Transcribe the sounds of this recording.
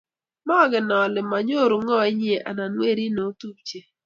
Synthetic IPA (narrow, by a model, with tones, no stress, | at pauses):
ma˦˨ɡɪ˨nɔ˨lɪ˨ma˨ɲo˦˨ɾu˨ŋɔ˦e˦ɲ˦e˨ʔa̰˨na˨nwe˦ɾi˦no˨˦tu˦p̚t͡ʃe˦